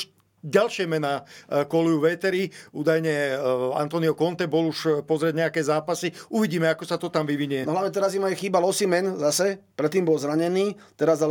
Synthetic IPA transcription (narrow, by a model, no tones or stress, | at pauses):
ɟalʃɪɛmɛnaːkɔlujuʋɛt̪ɛɾiuːd̪ajɲɛa̰nt̪ɔniɔkɔnt̪ɛbɔluʃpɔzɾɪɛɟɲɛakɛzaːpasiuʋiɟiːmɛakɔsat̪ɔt̪amʋiʋiɲujɛnɔɦlaʋɲɛt̪ɛɾazimajɛxiːbalɔsimɛnzasɛpɾɛt̪ːiːmbɔlzɾaɲɛniːt̪ɛɾazal